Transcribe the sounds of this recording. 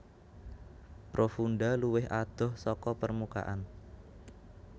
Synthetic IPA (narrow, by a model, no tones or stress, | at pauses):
pɾʔofunɖaluwɪɦʔad̪̥ɔ̤hsɔkɔpərmuka̰ʔan